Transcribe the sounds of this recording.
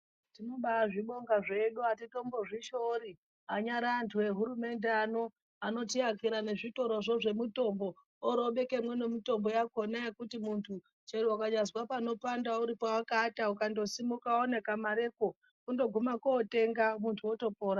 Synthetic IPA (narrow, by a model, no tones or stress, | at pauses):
tino̞ɓaʐiɓo̞ŋɡaʐe̞ɗuatito̞mbo̞ʐiʃoɾi | aɲaɾaːntʰuwe̞ɦuɾume̞ndeano̞ | ano̞tiakiɾane̞ʐito̞ɾo̞ʐo̞ʐe̞mito̞mbo̞ː | ɾo̞ɓe̞ke̞mwe̞ne̞mito̞mbo̞jakonajekutimuntʰu | t͡ʃeɗuwakaɲazwapano̞pandauɾipowakataukando̞simukaone̞kamaɾe̞ko | kundo̞ɡʱumakoːte̞ŋɡamuntʰuoto̞poːɾa